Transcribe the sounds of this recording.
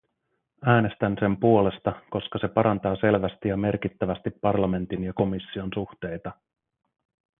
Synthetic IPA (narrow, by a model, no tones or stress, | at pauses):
æːne̞st̪ænse̞mpuo̞le̞st̪ɑko̞skɑse̞pɑɾɑnt̪ɑːse̞lʋæst̪ijɑme̞rk̟it̪ːæʋæst̪ipːɑrlɑme̞nt̪injɑko̞misːio̞nsuxt̪e̞jt̪ɑ